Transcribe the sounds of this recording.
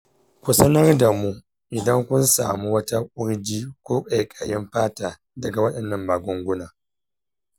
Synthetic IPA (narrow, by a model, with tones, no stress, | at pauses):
kʷu˨sɐ˦nɐ˦rda˨mu˦ | ʔɪ˨dɐ˦ŋkʷʊ˦nsa̰ː˨mu˦wɐ˦ta˦kʷʼʊ˦ɾd͡ʒiː˦kʷoː˦kʼa˨kʼaː˨jɪ˦mɸaː˦taː˨ | dɐ˨ɡa˨wɐ˦ɗɐ˨nːɐ˦˨mbaː˨ɡʷʊ˦ŋɡʷʊ˦naː˨